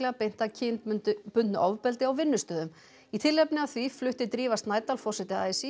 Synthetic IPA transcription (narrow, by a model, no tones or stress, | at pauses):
lɛɣapejn̥t̪acʰɪnt̪ʏnt̪ʏpʏnt̪nʏʔɔvpɛlt̪ɪawvɪnːʏst̪œːðʏm | it̪ʰɪlɛpnɪaθviflʏht̪ɪt̪ɾiːvast̪naːjt̪alfɔ̥sɪt̪ɪa̰ːjsi